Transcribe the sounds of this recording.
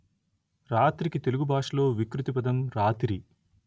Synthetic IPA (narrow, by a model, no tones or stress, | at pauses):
ɾaːt̪ɾikit̪eluɡubʱaːʂɐlo̞ːʋikɾut̪ipɐd̪ɐmɾaːt̪ɾi